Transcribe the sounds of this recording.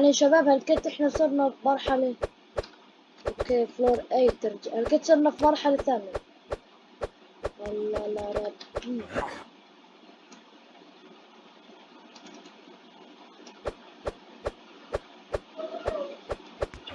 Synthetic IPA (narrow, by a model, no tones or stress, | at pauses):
anɪʃːabaːbhalket̪ʔɪħnasˤuɾˤnafmɑɾˤħale | ʔokːefloːɾˤʔajt̪ɪɾd͡ʒaʔhalkeːt̪sˤuɾˤnafimɑɾˤħaleθaːnɪj | walːɑlɑɾˤɑbɡiː